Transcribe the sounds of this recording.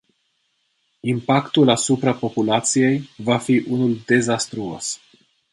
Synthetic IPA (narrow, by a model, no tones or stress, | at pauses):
impakt̪ulasupɾapo̞pulat̪sije̞jvafiʔunuld̪e̞zast̪ɾuo̞̰s